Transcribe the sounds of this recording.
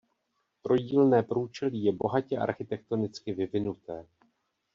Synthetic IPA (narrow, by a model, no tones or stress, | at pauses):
t̪ɾo̞ɟiːlnɛːpɾuːt͡ʃɛliːjɛbo̞ɦacɛʔa̰ɾxɪt̪ɛk̚t̪o̞nɪt͡skɪvɪvɪnut̪ɛː